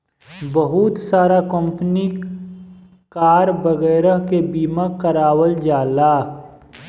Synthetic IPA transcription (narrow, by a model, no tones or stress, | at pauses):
bɐɦʊt̪saːɾakə̃mpəni | kaːɾbɐɣɛːɾəɦkebiːmakəɾaːwəld͡ʒaːlaː